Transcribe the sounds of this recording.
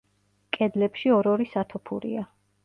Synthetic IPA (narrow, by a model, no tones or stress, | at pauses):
kʼɛd̪lɛpʃiɔɾɔɾisat̪ʰɔpʰṵɾḭa